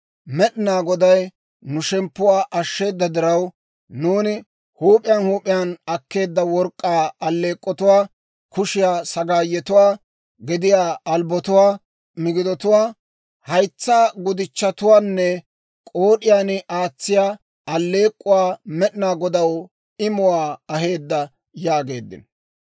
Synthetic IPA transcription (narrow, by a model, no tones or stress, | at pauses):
mɛɗɪnaːɡɔd̪ɐj | nʊʃɛmpːʊwaːʔɐʃːe̞ːd̪ːɐd̪ɪɾɐw | nuːnɪ | huːpʼɪjanhuːpʼɪjaːnɐkːe̞ːd̪ːɐwɔɾkʼːaːɐlːe̞ːkʼːɔt̪ʊwaː | kʊʃɪjaːsɐɡaːjːɛt̪ʊwaː | ɡɛd̪ɪjaːɐlbɔt̪ʊwaː | mɪɡɪd̪ɔt̪ʊwaː | hɐjt͡sːaːɡʊd̪ɪt͡ʃːɐt̪ʊwaːnːɛ | kʼoːɗɪjaːnʔaːt͡sːɪjaː | ɐlːe̞ːkʼːʊwaːmɛɗɪnaːɡɔd̪ɐw | ɪmʊwaːɐɦe̞ːd̪ːɐ | jaːɡe̞ːd̪ːɪ̰n